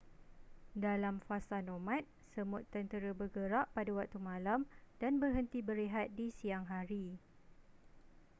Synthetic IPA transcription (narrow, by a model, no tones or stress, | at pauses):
dalamfasanõmãt̪̚səmʊt̪ːənt̪əɾəbəɡəɾaʔpadawak̚t̪umãlamd̥anbərɦənt̪ibəɾeɦat̪̚disiaŋɦaɾi